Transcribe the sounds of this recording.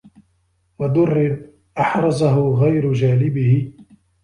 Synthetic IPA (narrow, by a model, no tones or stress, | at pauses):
wad̪ʊrːɪn | ʔɑħɾˤɑzaɦʊɣajɾʊd͡ʒaːlɪbɪhɪ